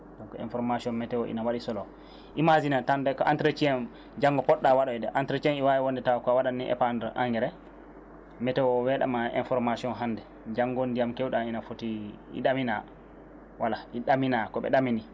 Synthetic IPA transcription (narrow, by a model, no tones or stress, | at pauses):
dɔnkɔḭnfɔɾmasiɔnmɛtɛwɔʔḭnawaɗisɔlɔ | ʔimazinatandɛkɔʔantɾet͡ʃijɛm | d͡ʒaŋɡɔpɔɗːawaɗɔɛdɛʔantɾet͡ʃiɛniwawɛwɔndɛtawkɔawaɗanːiʔɛ̰pandɛɾʔa̰ŋɡɛɾɛ | mɛtɛwɔwɛɗa̰maḭnfɔɾmasiɔnɦandɛ | d͡ʒaŋɡondijamkɛwɗainafotiḭɗamina̰ | walaʔiɗaminakɔɓɛ̰ɗamini